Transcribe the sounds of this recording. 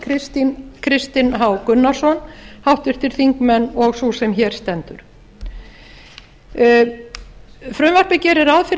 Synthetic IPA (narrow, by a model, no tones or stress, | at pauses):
ɪt̪kʰɾɪst̪ɪnɦaːwkʏnːaɾ̥sɔnhawht̪vɪɾ̥t̪ɪɾ̥θiŋkmɛnːɔɣsusɛmçɛːɾ̥st̪ɛnt̪ʏɾ̥ | fɾʏmvar̥pɪcɛɾɛɾaðfɪɾ